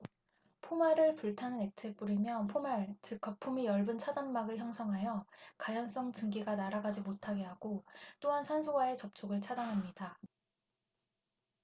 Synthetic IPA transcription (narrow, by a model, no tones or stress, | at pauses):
pʰomaɾɯɭpuɭtʰanɯne̞k̚t͡ɕʰep͈uɾimjʌnpʰomaɭt͡ɕɯk͈ːʌpʰumijʌɭbɯnt͡ɕʰadanmaɡɯɭçjʌŋsʰʌŋɦajʌkajʌns͈ʌŋt͡ɕɯŋɡiɡanaɾaɡad͡ʑimotʰaɡe̞ɦaɡot͈oɦansʰansʰuɡwae̞t͡ɕʌp̚t͡ɕʰoɡɯɭt͡ɕʰadanɦamɲida